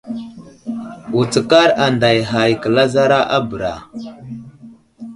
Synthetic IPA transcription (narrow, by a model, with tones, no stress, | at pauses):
u˨t͡sə˨ka˦ɾa˨nda˨jɦa˨jkə˨la˦za˦ɾa˦ʔa˦bə˨ɾa̰˨